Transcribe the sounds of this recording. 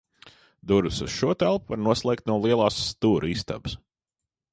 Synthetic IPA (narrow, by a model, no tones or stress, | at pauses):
d̪uɾɨsusʃuɔt̪ælˠpuvaɾnuɔslˠɛːk̚t̪nuɔlˠiɛlˠaːsːt̪uːɾist̪a̰bɨs